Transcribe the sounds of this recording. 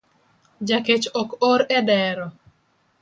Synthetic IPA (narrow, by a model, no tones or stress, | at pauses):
d͡ʒaket͡ʃokoɾɛdɛɾɔ